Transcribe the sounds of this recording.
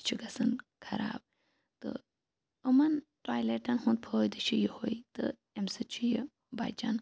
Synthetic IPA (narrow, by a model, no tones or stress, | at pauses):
t͡ʃʰuɡɐsɨnkʰɐɾa̰ːb̚ | t̪ɨ̰ | ɨmɐnʈaːjleːʈɐnɦũnt̪̚pʰojd̪ɨt͡ʃʰujihoit̪ɨ̰ | emsɨt͡ʃʰuje | ba̰d͡ʒɐn